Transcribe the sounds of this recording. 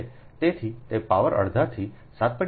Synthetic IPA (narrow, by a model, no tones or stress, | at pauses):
t̪et̪ʰit̪epaʋəɾʔə̰ɽd̪ʱaɾt̪ʰi | sat̪̚pəɽ